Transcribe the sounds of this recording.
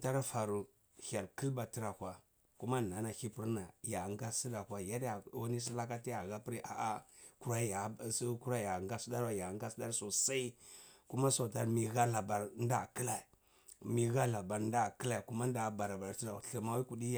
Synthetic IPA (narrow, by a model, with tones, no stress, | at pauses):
ta˦ɾfa˨ɾu˨ | ha˨lki˦lba˨ti˦ɾa˨kʷa˨ | ku˦ma˦na˨˦na˨xi˦pu˦ɾna˨ja˨ŋɡa˦si˦da˨kʷa˨ja˦dja˨o˦ni˦s̬i˦la˦ka˦ti˦ja˨ɣa˦pi˦ɾi˦ʔa˨ʔa˦ku˦ɾa˦ja˨sku˦ɾa˦˨ja˨ŋɡa˦sda˦ɾwa˦ja˨ŋ˦ɡa˦sda˦ɾso˨sa˦i˦ku˦ma˦so˨ta˦ɾmi˨ɣa˦la˨ba˨ɾn˦da˦˨ki˦la˨i˨ | mi˨ɣa˦la˨ba˨ɾn˦da˦˨ki˦la˨i˨ku˦ma˦n˦da˨˦˨ba˨ɾa˨ba˨ɾti˦ɾa˨ɬi˨ma˦wi˦ku˨di˦ja˨